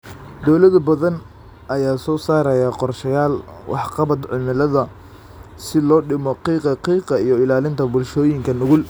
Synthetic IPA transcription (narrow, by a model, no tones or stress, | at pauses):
d̪ɔwlɐd̪ɐbɐðɐn | ʔɐjaːsɔːsaːɾɐjɐqɔrʃɐjaːlwʔɑ̰ħqɑβɐd̪ʕɪnɪlɐðɐ | sɪlɔːɖɪmɔqiːqɑqiːqɐijɔɪlaːlɪnt̪ʰɐbʊlʃɔːjɪŋkʰɐnʊɣʊl